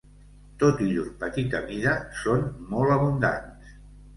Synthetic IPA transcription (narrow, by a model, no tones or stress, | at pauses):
t̪ot̪iʎunpət̪it̪əβiðəsonmɔlˠəβund̪a̰ns